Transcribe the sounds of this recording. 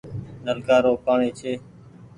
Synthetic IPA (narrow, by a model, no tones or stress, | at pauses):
nəlkaːɾoːpaːɳiːt͡ʃʰeː